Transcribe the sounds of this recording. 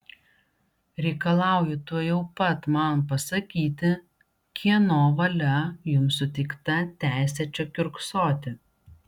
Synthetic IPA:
ɾʲɛɪkɐlˠɑˑʊjʊt̪uɔjɛʊpɐt̪mɐnpɐsɐkʲiːt̪ʲɪ | kʲʰiɛnoːʋɐlʲɛjʊmsʊt̪ʲɛɪkt̪ɐt̪ʲæˑɪsʲɛt͡ʃʲokʲʊɾksoːt̪ʲɪ

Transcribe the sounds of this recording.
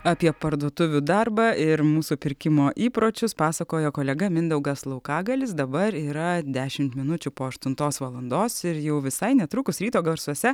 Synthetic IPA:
ɑːpʲiɛpɐɾd̪uɔt̪ʊʋʲʊd̪ɐɾbɑɪɾmuːsupʲɪɾʲkʲɪmoːʔiːpɾoːt͡ʃʲʊspɑːsɐkoːjokoːlʲɛɡɐmʲɪnd̪ɛʊɡɐslˠɐʊkɑːɡɐlʲɪsd̪ɐbɐɾiːɾɐd̪ʲæːʃʲɪmt̪mʲɪnʊt͡ʃʲʊpoːɐʃt̪ʊnt̪oːsʋɐlˠɐnd̪oːsɪɾjɛʊʋʲɪsɐɪnʲɛt̪ɾʊkʊsɾʲiːt̪oːɡɐɾsoɔsʲɛ

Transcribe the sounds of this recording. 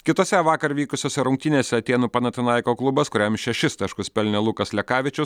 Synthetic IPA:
kʲɪt̪oːsʲɛʋɑːkɐɾʋʲiːkʊsʲoːsʲɛɾʊŋkt̪ʲɪnʲeːsʲɛɐt̪ʲeːnuːpɐnɐt̪ʲɪnɐɪkoːklˠʊbɐskʊɾʲɛmʃʲɛʃʲɪst̪ɑʃkʊspʲɛlʲnʲɛlˠukɐslʲɛkɑːʋʲɪt͡ʃʲʊs

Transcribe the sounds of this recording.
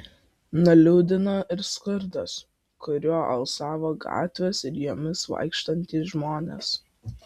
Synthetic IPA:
nɐlʲʊʊd̪ʲɪnoːʔɪɾskʊɾd̪ɐs | kʊɾʲuɔʔɐlˠsɑːʋoːɡɑ̰ːt̪ʲʋʲeːsɪɾjuːmʲɪsʋɐ̰ɪkʃt̪ɐnʲt̪ʲiːsʒmoːnʲḛːs

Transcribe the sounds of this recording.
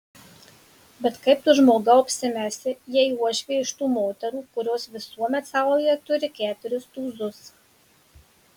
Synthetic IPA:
bʲɛt̪kɐɪp̚t̪ʊʒmoːɡɐɔpʲsʲɪmʲæsʲɪjiɛiuɔʃʲʋʲiɛɪʃt̪uːmoːt̪ʲɛɾuːkʊɾʲoːsʋʲɪsuɔmʲɛt̪sɐˑʊlʲjɛt̪ʊɾʲɪkʲæːt̪ʊɾʲʊst̪uːzʊs

